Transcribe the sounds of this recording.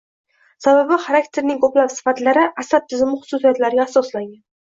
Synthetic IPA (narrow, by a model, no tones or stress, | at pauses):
sababɪχaɾakt̪ʰe̞ɾnɪŋkʰoplapsɪ̥fat̪laɾɪʔasad̪̚t̪ʰːɪzɪmɪχʊ̥susijat̪laɾɡʲaːsɒslaŋɡʲan